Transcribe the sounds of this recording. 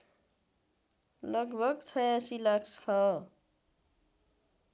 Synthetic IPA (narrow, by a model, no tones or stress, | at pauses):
lʌɡbʱʌɡt͡sʰʌjasilakʰskʰʌ